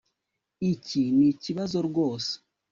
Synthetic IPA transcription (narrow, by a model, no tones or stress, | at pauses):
iciniciβazo̞ɾɡo̞ːse̥